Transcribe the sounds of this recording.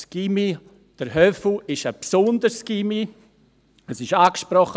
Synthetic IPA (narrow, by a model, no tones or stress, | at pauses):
ɡ̥imi | d̥əɾɦœfl̩ɪʃəpsʊndəɾsɡ̥imi | əsɪʃaːkʃpɾɔχə